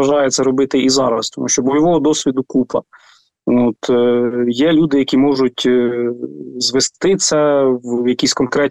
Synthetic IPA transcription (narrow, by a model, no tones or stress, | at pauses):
ɐʒɑjet͡sʲːɐɾɔbɪt̪ɪʔizɑɾɐst̪ɔmuʃt͡ʃɔbɔjɔʋɔɦɔd̪ɔsʲʋʲid̪ʊkupɐ | ot̪jɛlʲud̪ɪjɐkʲimɔʒʊtʲ | zʋest̪ɪt͡sʲɐwjɐkʲisʲkɔnkɾɛt̚ʲ